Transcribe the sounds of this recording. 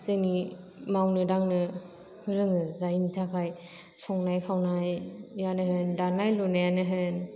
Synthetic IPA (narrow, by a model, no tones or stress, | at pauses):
zɯŋni | mawnɯdaŋnɯ | hɯɾɯŋɯzainitʰakʰaj | sʰɔŋnajkʰawnajːanɯɦɯndanajlɔnajanɯɦɯn